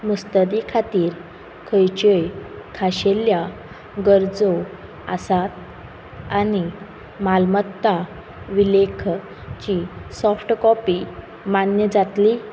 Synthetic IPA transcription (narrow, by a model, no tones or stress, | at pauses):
must̪əd̪ikʰat̪iːɾ | kʰəjt͡ɕəjkʰaɕelja | ɡəɾd͡zo | a̰sat̪ | ani | malmət̪ːa | ʋilekʰ | t͡ɕisɔfʈkɔpi | manjəd͡zat̪li